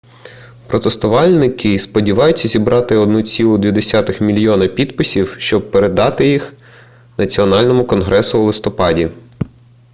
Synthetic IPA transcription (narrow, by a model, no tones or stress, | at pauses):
pɾɔt̪est̪ʊʋɑlʲnɪkɪspɔdʲiʋɑjʊt͡sʲːɐzʲibɾɑt̪ɪɔd̪nut͡sʲilˠʊd̪ʲʋʲid̪esʲɑt̪ɪxmʲilʲjɔnɐpʲid̪pɪsʲiwʃt͡ʃɔb̚peɾed̪ɑt̪ɪjix | nɐt͡sʲiɔnɑlʲnɔmʊkɔnɦɾɛsʊːlˠɪst̪ɔpɑdʲi